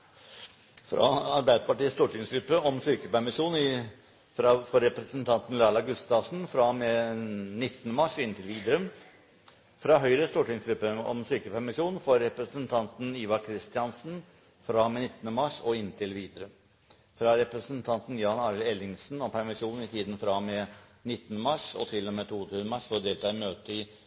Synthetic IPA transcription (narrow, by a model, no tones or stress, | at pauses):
fɾɑ̰ɑɾbæɪd̪əpɑʈiːəst̪uːʈɪŋsɡɾʉpːəɔmsyːkəpæɾmɪʂuːnɪ | fɾɑfɔɾɛpɾəsənt̪ʰɑnt̪n̩lɑːɭɑɡʉst̪ɑʋsn̩fɾɑmeːnɪt̪ːənəmɑʂɔɪnt̪ʰɪlʋiːd̪ɾʉm | fɾɑɦœʏɾəst̪uːʈɪŋsɡɾʉpːəɔ̰msyːkəpæɾmɪʂuːnfɔɾɛpɾəsənt̪ʰɑnt̪n̩iːʋɑkʰɾɪst̪ɪɑnsn̩ | fɾɑːmenɪt̪ːənəmɑʂɔɪnːt̪ʰɪlʋiːd̪ɾʉm | fɾɑɾɛpɾəsənt̪ʰɑnt̪n̩jɑːnɑːɾɪlɛlɪŋsn̩ɔmpʰæɾmɪʂuːnn̩ɪt̪ʰiːd̪ən̩fɾɑmeːnɪt̪ːənəmɑʂɔ̰t̪ʰɪlːɔmeːt̪ʰuːt̪ʰʉːənəmɑʂfɔɾd̪eːlt̪ʰɑːɪmøːt̪əɪ